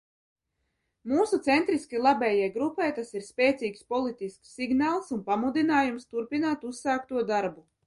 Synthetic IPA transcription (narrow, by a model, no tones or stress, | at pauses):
muːsut̪sɛnt̪ɾiskʲilˠabɛːjɛjɡɾupɛjt̪asiɾspʲɛːt̪siːkspɔlˠit̪isksːiɡnaːlˠsunpamud̪inaːjumst̪uɾpinaːt̪usːaːkt̪uɔd̪aɾbu